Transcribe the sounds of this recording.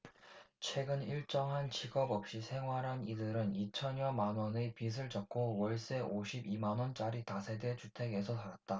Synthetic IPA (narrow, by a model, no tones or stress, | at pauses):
t͡ɕʰwe̞ɡɯniɭt͡ɕ͈ʌŋɦant͡ɕiɡʌbʌp̚ɕ͈isʰe̞ŋɦwaɾɦanidɯɾɯnit͡ɕʰʌɲʌmanwʌnɯpis̬ʰɯɭt͡ɕʌk̚k͈owʌɭs͈e̞oɕʰibimanwʌnt͡ɕ͈aɾitasʰe̞de̞t͡ɕutʰe̞ɡe̞sʰʌsʰaɾat̚t͈a